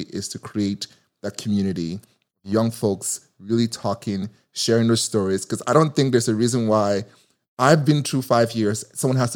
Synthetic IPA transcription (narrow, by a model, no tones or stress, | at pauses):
ʔɪz̥tʰɨkʰɹ̥ieɪt̪̚ | ðɨt̚kʰmjʉñɨɾḭ | ʌvjʌ̃ŋfoʊks | ɹɪlˠitʰɔkɪ̃ŋ | ʃɛɹɪ̃ŋðɨstɔɹiz̥kʰʌzaɪɾõʊ̃nθɪ̃ŋk̚ðə˞zɨɹizə̃nwaɪ | aɪvbɨ̃ntʰɹufaɪvjɪɹz̥sʌ̃mwʌ̃nɦæz̥t